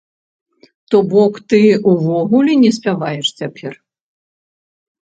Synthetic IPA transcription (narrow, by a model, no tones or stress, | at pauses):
t̪ɔbɔkt̪ɨuvɔɣulʲinʲɛsʲpʲavajɛʂt͡sʲapʲʰɛr